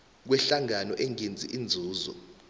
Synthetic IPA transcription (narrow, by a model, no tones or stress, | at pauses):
k̬wɛɬaŋanɔʔeŋend͡zʱiʔind͡zʱuːzɔ̰